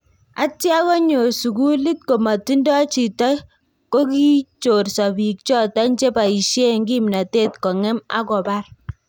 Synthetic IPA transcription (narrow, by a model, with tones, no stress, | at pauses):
a̰˦tja˦kɔ˦ɲo˨su˨ku˦li˦t̚ko˨ma˨ti˦ndɔ˦t͡ʃi˨tɔ˦j | ko˦ki˦t͡ʃo˨rsa˨bi˨k̚t͡ʃɔ˦ta˦nt͡ʃe˦pa˨i˨ʃe˦ŋɡi˦m˨na˨te˦tkɔ˨ŋɛ˦ma̰˦kɔ˨ba˦r